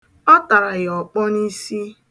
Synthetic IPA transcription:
ɔ˦ta˨ɾa˨jɔ˨k͡pɔ˦ni˦si˦

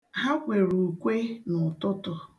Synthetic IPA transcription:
ɦa˦kʷe˨ɾu˨kʷe˦nʊ˨tʊ˦tʊ˨

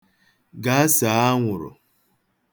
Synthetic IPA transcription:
ɡa˨˦sa˨a˦ŋʷʊ˨ɾʊ̰˨

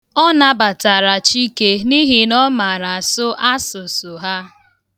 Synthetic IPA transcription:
ɔ˦na˦ba˨ta˨ɾa˨t͡ʃi˦ke˦ni˦ɦi˦nɔ˦ma˨ɾa˨a˨sʊ˦ʔa˦sʊ˨sʊ˨ɦa˦

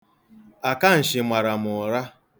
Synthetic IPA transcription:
a˨ka˦n̩˨ʃɪ˨mʷa˨ɾa˨mʊ˨ɾa˦

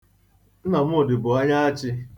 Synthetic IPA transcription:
n̩˦na˨m̩˦ʊ˨dɪ˨bʊ˨a˦ɲa˦a˦t͡ʃɪ˦

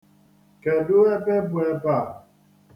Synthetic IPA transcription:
kɛ˨du˦ɛ˦pɛ˦pu˨ɛ˦pa˨

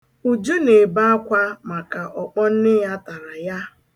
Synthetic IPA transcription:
u˨d͡ʒu˦ne˨ba˦a˦kʷa˦ma˨ka˨ʔɔ˨k͡pɔ˦n̩˦nɪ˦ja˦ta˨ɾa˨ja˦

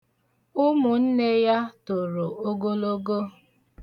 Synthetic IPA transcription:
ʊ˦mʊ˨n̩˦ne˦ja˦to˨ɾo˨o˦ɡo˦lo˦ɡo˦

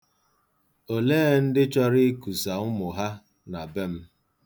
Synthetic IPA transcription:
o˨leː˦n̩˦dɪ˦t͡ʃɔ˦ɾɪ˦ku˨sa˨ʊ˦mʊ˨ɦa˦ | na˨be˦m̩˦

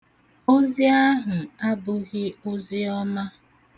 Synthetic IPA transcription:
o˦zi˦a˦ɦʊ˨a˦bʊ˦ɣɪ˦o˦zi˦ɔ˦ma˦

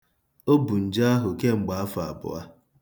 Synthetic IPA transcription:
o˦bu˨n̩˨d͡ʒa˦a˦ɦʊ˨ke˦ŋ͡m̩˨ɡ͡ba˨a˦fa˨a̰˨bʊ̰˨a˦

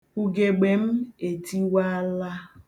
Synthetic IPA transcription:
u˨ɡe˨ɡ͡be˨m̩˦e˨ti˦wa˦la˦

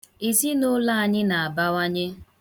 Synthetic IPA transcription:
i˨zi˦no˦la˦a˨ɲɪ˦na˨a˨ba˦wa˦ɲe˦

